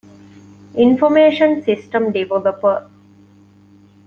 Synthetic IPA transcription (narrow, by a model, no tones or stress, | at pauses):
ʔinfomeːʃə̃nsisʈə̃mɖiʋoləpə